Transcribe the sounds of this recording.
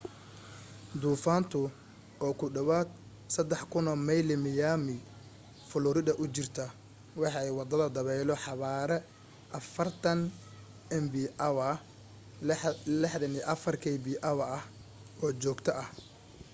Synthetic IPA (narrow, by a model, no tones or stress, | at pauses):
d̪uːfaːnt̪ʰʊ | ɔːkʰʊɖɐwaːd̪̚ | sɐd̪ɛħkʰʊnɔmɛjlɪmɪjamɪ | fʊlʊɾɪd̪ɐʔʊt͡ʃɪrt̪ʰɐ | wɑħɑɛjwɑd̪ɐðɐd̪ɐβɛjlɔħɑβaːɾɛ | ʔɐfɐrt̪ʰɐn | ʔɛmbiʔɐwɐ | lɛħðɐniʔɐfɐrkʰɛjbiːʔɐwɐɐh | ɔːt͡ʃɔːɡt̪ʰɐʔɐh